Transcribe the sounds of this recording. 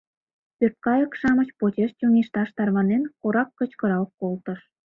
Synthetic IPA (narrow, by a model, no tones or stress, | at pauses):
pørt̪̚kɑjə̆kʃɑmə̆t͡ɕpot͡ɕeʃt͡ɕoŋiʃt̪ɑʃt̪ɑrβɑnenkoɾɑkːə̆t͡ɕkɤ̆ɾɑkkːolt̪ə̆ʃ